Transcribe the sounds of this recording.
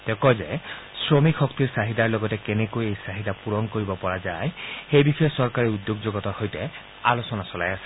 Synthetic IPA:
t̪ekɔd͡ʒḛ | sɹomikʰɔkt̪iɾsaɦid̪aɹlɔɡɔtekenekojejsaɦid̪apuɾɔŋkoɾibɔpɔɹad͡ʒajxejbixɔjesɔɾkaɾiud̪joɡd͡ʒoɡɔt̪ɔhojte | alosɔnasɔlajasi̥

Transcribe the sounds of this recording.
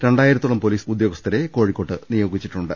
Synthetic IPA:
ɾe̞ɳɖaːjiɾɐt̪ːuɭɐmpo̞liːsud̪jo̞ːɡɐst̪ʰɐɾeko̞ːɻikʲːo̞ːʈːɨnijoːɡit͡ɕːi̥ʈːuɳɖɨ

